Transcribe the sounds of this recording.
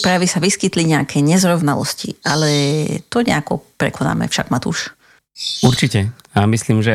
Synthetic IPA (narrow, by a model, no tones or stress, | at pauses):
pɾaʋisaʋiskit̪liɲɛakʰɛɲɛzɾɔʋnalɔ̰scḭʔalɛt̪ɔɲɛ̰akɔ̰pɾɛ̰kɔna̰ːmɛ̰fʃa̰ɡmat̪ṵʃ | uɾt͡ʃicɛamisliːmʒɛ